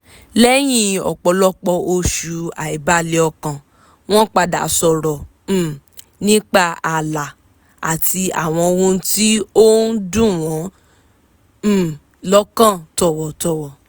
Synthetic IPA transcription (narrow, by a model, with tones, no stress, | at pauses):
lɛ˦j̃ĩ˧ɔ̰˨k͡pɔ˨˧lɔ˦k͡pɔ˧o˧ʃu˧a˨i˨ba˦le˨˦ɔ˧kã˨ | w̃ɔ̃˦k͡pa˧da̰˨˦sɔ˨ɾɔ˨ | nĩ˦k͡pa˦˨a˨la˨ | a̰˨ti˧a̰˦˨w̃ɔ̃˧o˧wũ˧˦ti˦o˦n̩˦dũ˦˨w̃ɔ̃˨˦˨ | lɔ˦kã˦˨tɔ˨wɔ˨tɔ˨wɔ˨